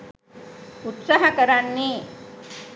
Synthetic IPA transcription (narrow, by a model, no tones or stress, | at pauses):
ut̪saɦakəɾanːi